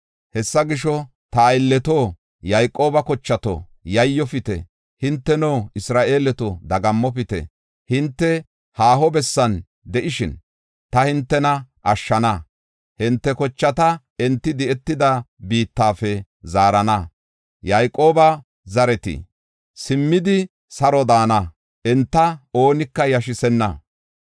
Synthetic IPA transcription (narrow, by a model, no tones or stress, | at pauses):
hɛsːɐɡɪʃɔ | t̪ɐːɪlːɛt̪o | jɐjkʼːo̞ːbɐkɔt͡ʃːɐt̪o̰ | jɐjːɔfɪt̪ɛ̰ | hɪnt̪ːɛnoːɪsɾaːʔe̞ːlɛt̪od̪ɐɡɐmːɔfɪt̪ɛ̰ | hɪnt̪ːɛ | haːɦɔbɛsːɐn | d̪ɛʔɪʃɪn | t̪ɐhɪnt̪ːɛnɐʔɐʃːɐnɐ | hɪnt̪ːɛkɔt͡ʃːɐt̪ɐ | ɛnt̪ːɪd̪ɪɛt̪ːɪd̪ɐbiːt̪ːaːfɛ | zaːɾɐnɐ | jajkʼo̞ːbɐ | zɐɾɛt̪ɪ̰ | sɪmːɪd̪ɪ | sɐɾɔd̪aːnɐ | ʔɛnt̪ːɐo̞ːnɪkːɐjɐʃɪsɛnːɐ̰